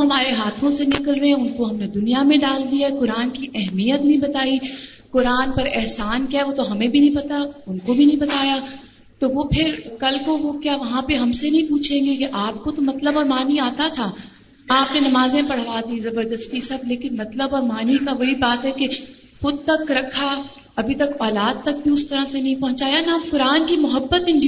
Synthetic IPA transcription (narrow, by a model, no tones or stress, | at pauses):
oɦɐmaːɾeɦaːt̪ʰõsenɪkəlɾɐɦɛ̃ʊnkoɦɐmned̪ʊnijamẽɖaːld̪ijaɦɛkʊɾaːnkiʔɛɦmijət̪nɐɦĩbɐt̪aːi | kʊɾaːnpɐɾɛɦsaːnkjaːɛʋot̪oɦɐmẽbʱinɐ̃ɦĩpɐt̪aʊnkobʱinɐ̃ɦĩbɐt̪aːja | t̪oʋopʰɪɾkɐlkoʋokjaːʋɐɦãpeɦɐmsenɐɦĩpuːt͡ʃʰẽːŋɡekeʔaːp̚kot̪omɐt̪ləbɔːɾmaːniaːt̪at̪ʰaː | aːpnenɐmaːzẽpɐɽ̤ʋaːd̪ĩzɐbəɾd̪əst̪isɐb̚leːkɪnmɐt̪ləbɔːɾmaːnikaʋɐɦibaːt̪ɦɛke | xʊd̪̚t̪ɐkɾɐkʰːa | ɐbʱit̪ɐkɔːlaːd̪̚t̪ɐk̚bʱiʊst̪ɐɾãsenɐɦĩpɐ̃ɦʊ̃t͡ʃaːjanakʊɾaːnkimʊɦəbːət̪ɪ̃ɳɖ